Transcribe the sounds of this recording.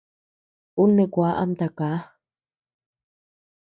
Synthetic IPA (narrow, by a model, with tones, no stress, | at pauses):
u˦nːe˨kʷa˦ʔa̰˦mt̪a˨ka˨˦